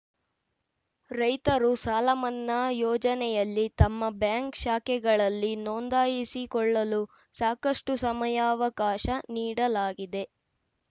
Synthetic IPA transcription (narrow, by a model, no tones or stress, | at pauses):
ɾɐjt̪ɐɾusaːlɐmɐnːɐjɔːd͡ʒɐnɛjɐlːit̪ɐmːɐbjaːŋkʃaːkɛɡɐɭɐlːinɔnd̪aːjisikɔɭːɐlu | saːkɐʂʈusɐmɐjaːɐʋɐkaːʃɐniːɽɐlaːɡid̪e̞